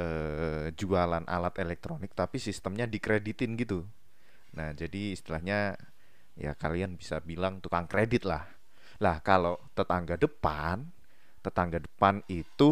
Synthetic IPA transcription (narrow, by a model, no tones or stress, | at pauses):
əːd͡ʒualanʔa̰lat̪elɛk̚t̪ɾonɪk̚t̪apisist̪əmɲadikɾedit̪ɪnɡit̪u | nahd͡ʒadiːst̪ilahɲa | ja̰kalianbisabilaŋt̪ukaŋkɾedɪt̪̚lah | lahkalot̪ət̪aŋɡadəpan | t̪ət̪aŋɡadəpanit̪u